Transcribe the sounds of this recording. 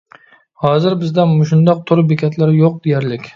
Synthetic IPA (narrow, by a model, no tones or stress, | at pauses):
hɒzɪɾbɪzd̪amʊʃʊnd̪ɒq̚t̪ʰʊɾɪbekʲʰat̪ʰlaɾɪjoq̚d̪ejaɾlɪkʲ